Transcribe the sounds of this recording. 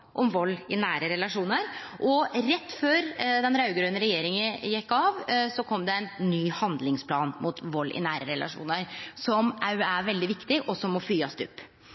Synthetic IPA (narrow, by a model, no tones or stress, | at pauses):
ʔɔmʋɔlːɪnæːɾəɾɛlɑʂuːnəɾ | ʔɔɾɛt̪ːføːɾd̪ɛnɾɑʉɡɾøːnəɾɛjeːɾɪŋəjɛkːɑʋsɔkʰɔmd̪ɛæɪnːyːhɑnd̪lɪŋspʰlɑːnmʊt̪ʋɔlːʔɪ̰næːɾəɾɛlʔɑ̰ʂṵːnəɾsɔmʔææʋɛld̪ɪʋɪkt̪ɪʔɔsɔmːɔfyːɑsd̪ʉ̰pː